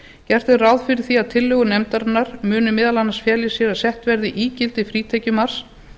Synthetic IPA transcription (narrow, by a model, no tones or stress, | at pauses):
cɛr̥t̪ɪrawðfɪɾɪɾ̥θiaðt̪ʰɪlːœːɣʏnɛmt̪aɾɪnːaɾ̥mʏːnʏmɪðalanːasfjɛːljɪsjɛɾasɛht̪vɛɾðɪʔiːcɪlt̪ɪfɾiːt̪ʰɛcʏmar̥s